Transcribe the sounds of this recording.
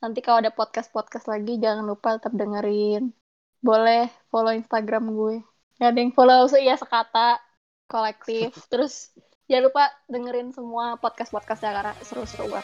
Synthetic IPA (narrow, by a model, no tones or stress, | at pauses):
nant̪̬ikaloadapɔt̪̚kas̚pɔt̪̚kaslaɡid͡ʒaŋanlupat̪ət̪əp̚dəŋəɾɪn | bolɛhfoloinst̪aɡɾamɡuɛ | jadaŋfolous̬əjasəkat̪aʔ | kolɛk̚t̪ɪft̪əɾʊs | jalupadəŋəɾɪnsəmuapɔt̪̚kaspɔt̪̚kasɲakaɾaʔsəɾusəɾṵua̰